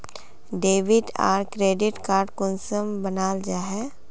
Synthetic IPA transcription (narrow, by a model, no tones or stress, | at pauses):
ɖeːʋɪʈa̰ːɾkɾeːɖɪʈkaːɾɖkʊnsəmbənaːld͡ʒaːɦɛː